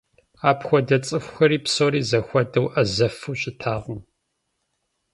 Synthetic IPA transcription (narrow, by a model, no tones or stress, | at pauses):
aːpxʷɔdɐt͡sʼɨxʷxɐɾiːpsoɾiːzɐxʷɐdɐwʔɐzɐfuːɕʼɪtʰaːʁəm